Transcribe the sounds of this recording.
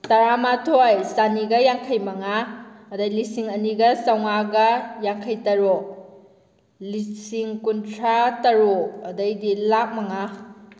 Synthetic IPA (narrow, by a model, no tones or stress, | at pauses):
tɐɾamatʰojsaniɡɐjaŋkʰɐjmɐŋaɐdɐjlisiŋɐniɡɐsɐwŋaɡɐjaŋkʰɐjtɐɾo | lisiŋkuntʰɾatɐɾoɐdɐjdilak̚mɐŋa